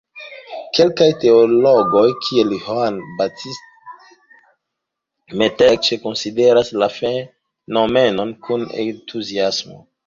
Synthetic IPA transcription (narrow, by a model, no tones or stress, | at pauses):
ke̞lkajte̞olo̞ɡo̞jkʰielihoanbatʰist̚ | metek̚t͡ʃe̞konside̞ɾaslafe | nome̞no̞nkʰunḛntʰuziasmo̰